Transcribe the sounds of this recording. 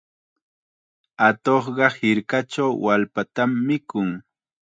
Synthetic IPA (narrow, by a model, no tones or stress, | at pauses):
at̪oχɢɑhɪɾkat͡ʃawwalpat̪amːɪkʊŋ